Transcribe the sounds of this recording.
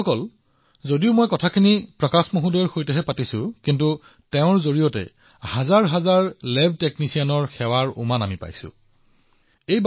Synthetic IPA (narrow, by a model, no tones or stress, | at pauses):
ɔkɔl | zodiʊmojkɔtʰakʰinipɹɔkasmoɦudɔɹxojtɛɦɛpatisʊkintu | teʊ̃ɹzoɹijɔtɛ̰ | hazaɹɦazaɹlɛbʱteknisianɔɹxɛwaɹʊ̰manamipa̰jsʊ̰̃ | ejb